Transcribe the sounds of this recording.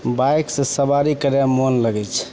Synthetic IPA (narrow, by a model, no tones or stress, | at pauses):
bajksẽsəbaɾikəɾjamonləɡɛt͡ʃʰ